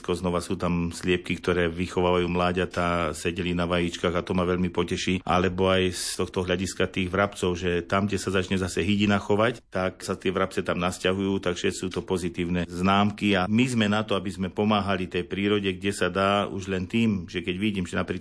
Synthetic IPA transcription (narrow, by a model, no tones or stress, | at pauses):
kɔznɔʋasuːt̪amslɪɛp̚kikt̪ɔɾɛːʋixɔʋaːʋajuːmlaːɟat̪asɛɟɛlinaʋajit͡ʃkaːɣat̪ɔmaʋɛʎmipɔcɛʃiːʔa̰lɛbɔajst̪ɔxt̪ɔɦlaɟiskat̪iːɣʋɾapt͡sɔʊʒɛt̪amɡɟɛsazat͡ʃɲɛzasɛɦiɟinaxɔʋact̪aksat̪ɪɛʋɾap̚t͡sɛt̪amnascaɦujuːt̪akfʃɛsuːt̪ɔpɔzit̪iːʊnɛznaːmkiamizmɛnat̪ɔabizmɛpɔmaːɦalit̪ɛjpɾiːɾɔɟɛɡɟɛsad̪aːṵʒlɛnt̪iːmʒɛkɛɟʋiɟiːmʒɛnapɾiː